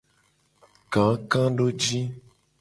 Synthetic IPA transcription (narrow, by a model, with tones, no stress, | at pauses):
kã˨˦kã˦ɖo˦d͡ʒi˦